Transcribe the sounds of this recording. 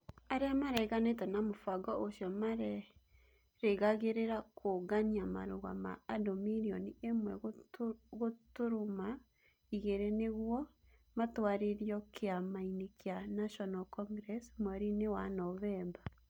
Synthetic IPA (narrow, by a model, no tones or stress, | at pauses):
aɾeamaɾɛɣanet̬ɛnamofaɡɔʔoʃjɔmaɾɛ | ɾeɣaɣeɾeɾakʰoɡaɲiama̰ɾoɣa̰ma̰ːdɔmiɾiɔniʔemwɛɣ | ɣotoɾoma | iɣeɾeneɣwɔ | matwaɾeɾjɔkʰeamainekeanaʃɔnalkɔŋɡɾɛsmwɛɾinewanɔβɛmba